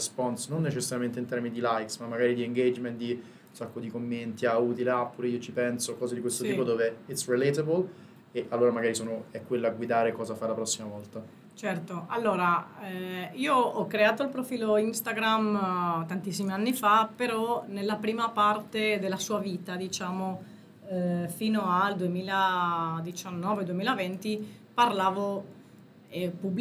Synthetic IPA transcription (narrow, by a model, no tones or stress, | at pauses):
spɔnsnonːet͡ʃesːaɾjament̪eint̪ɛɾminid̪ilajksmamːaɡaːɾid̪ieŋɡed͡ʒment̪̚d̪i | unsakːod̪ikomːent̪iauːt̪ileapːuːɾeiːot͡ʃipɛnsokɔːzed̪ikwest̪ot̪iːpod̪oːveit̪srilet̪abol | eʔalːoːɾamaɡaːɾisoːnoɛkːwelːoaɡwid̪aːɾekɔːzafalapɾɔsːimavɔlt̪a | t͡ʃɛrt̪oʔalːoːɾaɛiːoɔkːɾeaːt̪oilpɾofiːloinst̪aɡɾamt̪ant̪is̬ːimianːifapeɾɔnelːapɾiːmapart̪ed̪elːasuːaviːt̪ad̪it͡ʃaːmo | fiːnoald̪uemiːlad̪it͡ʃanːɔːved̪uemiːlavɛnt̪iparlaːvo | ɛpub